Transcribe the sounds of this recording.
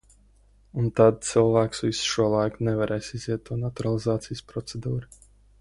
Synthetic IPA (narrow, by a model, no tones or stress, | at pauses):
unt̪ad̪̚t̪silˠvæːksvisʃuɔlˠajknɛvaɾɛːjsiziɛt̪̚ːuɔnat̪uɾalˠizaːt̪sijspɾɔt̪sed̪uːɾ